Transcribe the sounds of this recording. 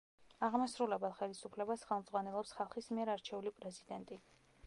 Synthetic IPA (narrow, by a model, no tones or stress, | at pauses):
aʁmasɾulɛbɛlˠχɛlisupʰlɛbasχɛlˠmd̪zʁwanɛlˠɔpsχalˠχismiɛɾaɾt͡ʃʰɛulipʼɾɛzid̪ɛnt̪ʼi